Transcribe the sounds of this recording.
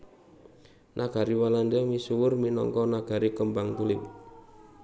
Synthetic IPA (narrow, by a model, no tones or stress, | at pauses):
nʔaɡ̥a̤ɾiwalandamisuwʊrminɔ̰ŋkɔnaɡ̥a̤ɾikəmbaŋt̪ulɪp